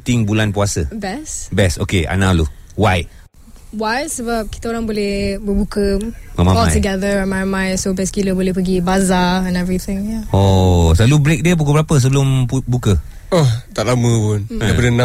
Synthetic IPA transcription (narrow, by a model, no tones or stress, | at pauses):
t̪ɪŋbulanpuasəbɛsbɛso̰kea̰nalṵwaj | wajsəbap̚ki̥t̪aoɾãŋbolɛhbəbukəmamaɔlãtjuɡɛðəɛnmamãjsobɛskiləbolɛhpəɡibazaɛ̃nɛvɹit̪ɪ̃ŋjaosəlalubɾek̚diəp̬ukubəɾapəs̬əbəlʊmpubukə | ɔht̪aʔlaməpʊndapadənã